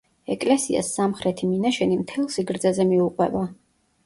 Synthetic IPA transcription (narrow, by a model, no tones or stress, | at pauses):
ɛkʼlɛsia̰sːamχɾɛt̪ʰiminaʃɛnimt̪ʰɛlˠsiɡɾd̪zazɛmiuqʼwɛ̰ba